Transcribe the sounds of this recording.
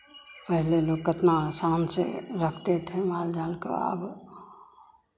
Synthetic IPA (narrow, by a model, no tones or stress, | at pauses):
pəɦleloːɡkət̪naaːsaːnsḛɾəkʰt̪et̪ʰemaːld͡ʒaːlka̰a̰ːb